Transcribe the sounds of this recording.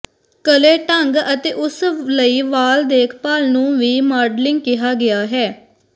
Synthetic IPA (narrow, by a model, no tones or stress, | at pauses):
kəleːʈəŋɡət̪eːʔʊsləiːʋaːld̪eːkʰpaːlnũːʋiːmaːɾɖlɪŋɡ̚kɪɦaːɡɪaːɦɛː